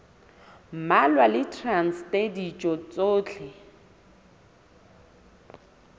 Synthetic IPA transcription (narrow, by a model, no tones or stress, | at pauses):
m̩malwalɪtʰranstʼedit͡ʃʼɔt͡sʼoːt͡ɬʰɛ